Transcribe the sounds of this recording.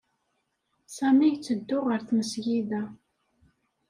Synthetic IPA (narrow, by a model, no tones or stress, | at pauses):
sæmiʝt͡sːəd̪ːʊʁəɾθməsʝiðæ